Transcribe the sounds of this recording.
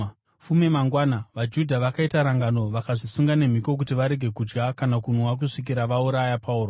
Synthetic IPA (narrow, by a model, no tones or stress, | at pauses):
fumemaŋɡwanaʋad͡ʒudʱaʋakaitaɾaŋɡano̞ʋakaʐisuŋɡane̞m̤iko̞k̬utiʋaɾe̞ɡʱe̞kud͡ʒɡakanakunwak̬uʂik̬iɾaʋauɾajapʰauːɾo